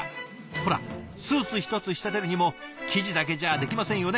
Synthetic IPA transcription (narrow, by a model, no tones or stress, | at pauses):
ho̞ɾa̰ | sɨːt͡sɨçʲi̥t̪o̞t͡sɨɕi̥t̪at̪e̞ɾɯ̟ɲ̟imo̞kʲʰiʑid̪ak̬e̞ʑad̪e̞kʲimasẽɰ̃jo̞ne